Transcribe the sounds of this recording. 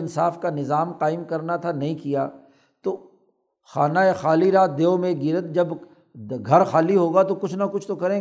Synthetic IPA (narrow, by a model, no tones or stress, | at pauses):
ɪnsaːfkanɪzaːmqaːɪmkɐɾnat̪ʰanɐɦĩkijaː | t̪oː | xaːnaexaːliɾaːt̪̚d̪eːõmẽɡɪɾət̪̚d͡ʒɐb | ɡʱɐɾxaːliɦoːɡat̪okʊt͡ʃʰnɐkʊt͡ʃʰt̪okɐɾẽː